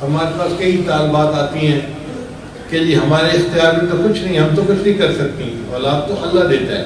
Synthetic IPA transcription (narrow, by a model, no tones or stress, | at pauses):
ɦɐmaːɾepaːskɐit̪aːlbaːt̪aːt̪iɦɛ̃ː | ked͡ʒiːɦɐmaːɾeɪxt̪ɪjaːɾmĩt̪okʊt͡ʃʰnɐ̃ɦĩɦɐmt̪okʊt͡ʃʰnɐ̃ɦĩkɐɾsɐk̚t̪ĩɔːlaːb̚t̪oʔɐlːad̪eːt̪aɦɛ̰ː